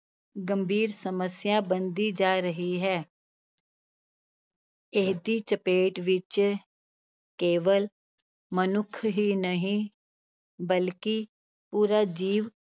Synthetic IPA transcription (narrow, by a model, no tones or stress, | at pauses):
ɡəmbʱiːɾsəməsɪjãːbənd̪iːd͡ʒaːɾəɦiːɦɛː | ɪd̪iːt͡ʃəpeːʈʋɪt͡ʃ | keːʋəl | mənʊkʰɦiːnəɦĩː | bəlkɪ | puːɾaːd͡ʒiːʋ